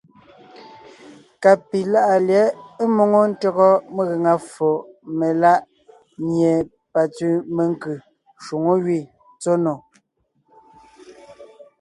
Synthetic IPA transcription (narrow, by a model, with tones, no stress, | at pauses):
ka˨pi˨la˦ʔa˨ljɛ˨˦e˦mo˦˨ŋo˦n̩˦tɔ˦ɣɔ˦me˦ɣe˨ŋa˨fo˨me˨la˦ʔ | ɲje˨ | pa˨t͡sʉ˦me˨ŋ˦kɯ˨ | ʃu˨ŋo˦ɣɥi˦˨ | t͡so˦no˨